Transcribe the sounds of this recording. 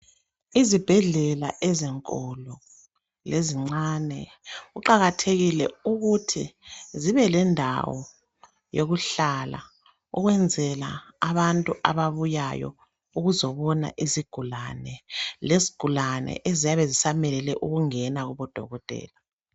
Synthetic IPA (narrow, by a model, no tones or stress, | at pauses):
izib̥ʱɛɮɛlaʔɛzɛŋkʼɔlɔ | leziŋ͡ǀaːnɛ | ɣuǃaɣatʰeɣilɛuɣutʰiziβɛlɛndʱa̰wɔ̰ | joɣuɬala̰ | ṵɣwɛnd͡zʱɛla̰ːβantʼuʔaβaβujajɔ̰ | uɣuzɔβɔna̰ʔiziɡ̥ʱulanɛlezi̥ɡ̥ʱulanɛ̰ʔezijaβɛzisamɛlɛlɛʔuɣuŋɛnaɣuβɔd̥ʱɔɣɔtʼɛ̰ːla